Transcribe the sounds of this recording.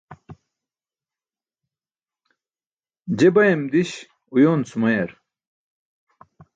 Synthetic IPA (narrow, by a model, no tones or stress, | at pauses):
d͡ʑebɐjemd̪iɕ | ujoːnt͡sumɐjɐɾ